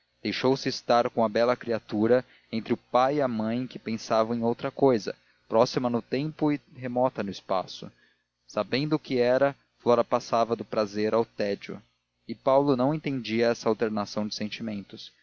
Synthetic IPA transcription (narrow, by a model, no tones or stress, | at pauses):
d̪̥ejʃowsɪːst̪aɾkõɐbɛlɐkɾiat̪uɾɐ | ẽnt̪ɾɪʊpajiɐmɐ̃j̃kɪpẽsavɐw̃ẽj̃owt̪ɾɐkojzɐ̰ | pɾɔsimɐnʊt̪ẽmpʊɪɦemɔt̪ɐnʊɪspa̰sʊ̰ | sabẽnd̪ʊkɪɛɾɐ | flɔɾɐpasavɐd̪ʊpɾazeɾawt̪ɛd͡ʒʊ̰ | ɪpawlʊnɐ̃w̃ẽnt̪ẽd͡ʒiɐɛsɐawt̪eɾnasɐ̃w̃d͡ʒɪsẽnt͡ʃimẽnt̪ʊs